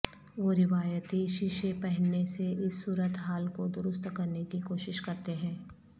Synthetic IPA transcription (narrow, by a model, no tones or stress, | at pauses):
ʋoːɾɪʋaːjət̪iʃɪʃepɛɦɛnːeseʔɪsːuːɾət̪ɦaːlkod̪ʊɾʊst̪kɐɾnekikoːʃɪʃkɐɾt̪eɦɛ̃ː